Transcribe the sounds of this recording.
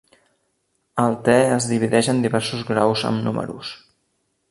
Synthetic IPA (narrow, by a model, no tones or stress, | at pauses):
əlˠt̪ɛəzðiβ̞iðɛʒənd̪iβɛɾsuzɣɾawzə̰mnumʔə̰ɾṵs